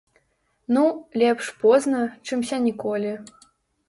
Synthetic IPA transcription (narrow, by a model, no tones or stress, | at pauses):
nulʲɛpʂpɔznɐt͡ʂɨmsʲanʲikɔlʲi